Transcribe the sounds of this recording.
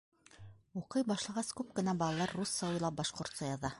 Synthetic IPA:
uqɤjbɑʃlˠɑʁɑskʉp̚kɘ̆næbɑlˠɑlˠɑɾːusːɑwɤjlˠɑp̚bɑʃqŏɾt̪sɑjɑðɑ

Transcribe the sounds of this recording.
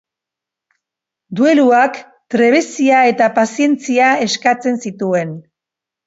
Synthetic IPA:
d̪ue̞luak | t̪ɾe̞β̞esiae̞t̪apasie̞nt͡siae̞skat͡se̞nsit̪ue̞n

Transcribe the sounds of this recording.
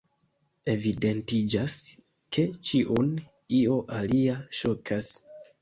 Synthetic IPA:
e̞vide̞ntid͡ʒas | kʰe̞t͡ʃiʔun | io̞ʔaliaʃo̞kʰas

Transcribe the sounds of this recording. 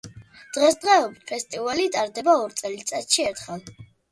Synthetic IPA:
d̪̥ʁɛsd̪ʁɛɔbit̪pʰɛst̪ʼivalit̪ʼaɾd̪ɛbaɔɾt̪sʼɛlitt̪sʼat̪ʃiɛɾt̪ʰχɛlˠ

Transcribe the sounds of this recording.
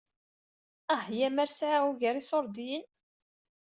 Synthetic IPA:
æhjæmæɾsʕauʝəɾisoɾˤd̪in

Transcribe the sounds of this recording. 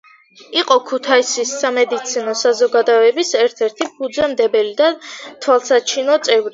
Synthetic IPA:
iqʼɔkʰut̪ʰaisisːamɛd̪it̪sʰinɔsazɔɡad̪ɔɛbisɛɾt̪ʰɛɾt̪ʰipʰud̪zɛmd̪ɛbɛlid̪at̪ʰwalˠsat͡ʃʰinɔt̪sʼɛvɾi

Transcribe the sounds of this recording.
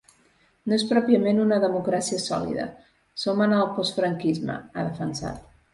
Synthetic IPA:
noespɾɔpiəmenunəðəmukɾasiəsɔ̰lḭðə̰ | somənəlˠpɔst̪fɾəŋkizmə̰aðəfənsa̰t̪

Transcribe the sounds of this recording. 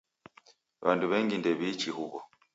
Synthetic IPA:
βanduβɛŋɡindɛβit͡ʃihuβɔ̰

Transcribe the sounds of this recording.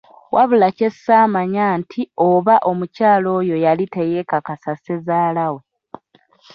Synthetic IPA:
wʔaβulace̞saːmaɲaːntʰio̞βaʔo̞mucaːlo̞ːjo̞jalite̞je̞kakasase̞zaːlawo

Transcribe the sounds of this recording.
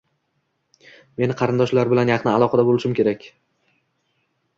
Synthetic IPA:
me̞nɪqʰɑɾɪnd̪ɒʃlaɾbɪlanjɑqnɪalˠɒqʰɑd̪abolɪʃɪmkʲe̞ɾakʲ

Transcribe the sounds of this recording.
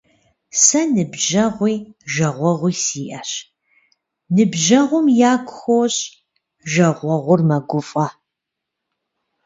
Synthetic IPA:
sɐnɨbʒɐʁʷiːʒɐʁʷɔʁʷiːsiːʔɐɕ | nɨbʒɐʁʷʊmjaːɡʷʼxowɕʼ | ʒɐʁʷɔʁʷʊrmɐɡʷʊfʼɐ

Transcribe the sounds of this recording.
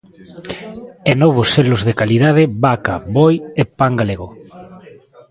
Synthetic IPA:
enɔβoselozðekalið̞að̞ebaka̰βojepaŋɡaleɣo

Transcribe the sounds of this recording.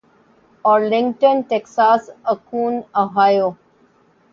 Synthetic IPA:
ɔːɾlɪ̃ŋɡʈə̃nʈeksaːsəkũːnoɦaːjoː

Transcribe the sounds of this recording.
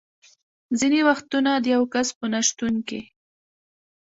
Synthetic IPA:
zinewaxt̪unad̪əjawkaspənaʃt̪unkḛ

